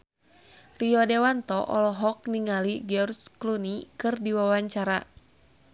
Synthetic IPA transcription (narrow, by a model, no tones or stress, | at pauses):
riɔdewant̪ɔʔɔ̰lɔɦɔk̚niŋaliɡɔrsklunikɨrdiwawaɲt͡ʃaɾa